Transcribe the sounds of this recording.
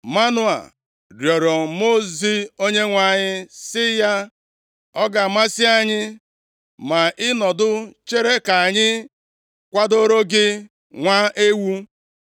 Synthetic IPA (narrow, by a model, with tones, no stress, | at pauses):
ma˦nʊ˦a̰˨ | ɾjɔ˨ɾo˨mo˦zi˦o˦ɲe˦ŋʷa˨ɲɪ˦sɪ˦ja˦ | ɔ˦ɡa˨ma˦sɪ˦a˨ɲɪ˦ | ma˨ʔɪ˦nɔ˨dʊ˦t͡ʃe˦ɾe˦ka˨a˨ɲɪ˦ | kʷa˦do˦ɾo˦ɡɪ˦ | ŋʷa˦e˦wu˦